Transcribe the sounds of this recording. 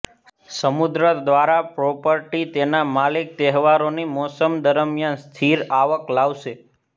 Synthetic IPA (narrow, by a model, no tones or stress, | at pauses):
səmud̪ɾəd̪ʋaɾapɾɔpəɾʈit̪enamalik̚t̪ɛɦʋaɾonimɔsəmd̪əɾəmjanst̪ʰiɾaʋəklaʋʃe